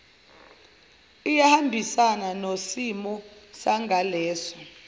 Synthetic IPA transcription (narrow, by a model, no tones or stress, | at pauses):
ijahambʱisananosimɔsaŋʱalɛːsɔ